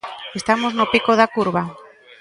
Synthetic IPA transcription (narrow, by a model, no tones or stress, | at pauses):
est̪amoznopikoðakuɾβa